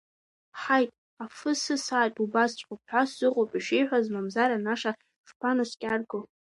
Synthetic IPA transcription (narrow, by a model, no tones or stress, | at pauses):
ħajtʼ | afɨsɨsaːtʼubast͡ɕʷʼqʊp̚ħʷasz̥ɨqʼopʼiʃejħʷazmamzaɾanaʂa | ʂpʰanaskʲʼarɡɨl